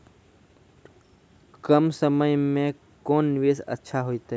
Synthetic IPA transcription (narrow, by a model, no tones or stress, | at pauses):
kəmsəməjmẽ | koːnːɪʋeːsə̰tːʃʰaɦoːit̪aɦ